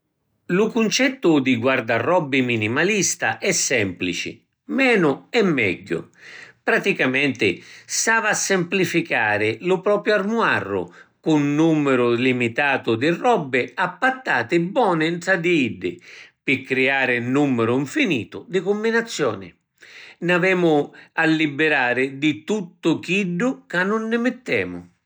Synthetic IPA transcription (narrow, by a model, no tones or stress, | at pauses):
lʊkʊnt͡ʃɛt̪ːʊd̪ɪɡward̪arːɔbːɪminimalist̪aʔɛsːɛmplit͡ʃɪ̰ | mɛːnʊɛmːɛ̰ɟːʊ̰pɾat̪ikamɛnt̪ɪsaːvaːsːɪmplifikaːɾɪlʊpɾɔːpjʊarmwa̰rːʊ̰kʊnːumːɪɾʊlimit̪aːt̪ʊd̪ɪrːɔbːɪapːat̪ːaːt̪ɪbːɔːnɪnt̪ɾad̪iiɖːɪ̰pɪkːɾɪaːɾɪnːumːɪɾʊiɱfinḭːt̪ʊd̪ɪkʊmːbinat̪sːjɔ̰ːnɪ̰ | navɛːmʊalːibːɪɾaːɾɪd̪ɪt̪ut̪ːʊk̟iɖːʊkanːʊnːɪmɪt̪ːɛ̰ːmʊ̰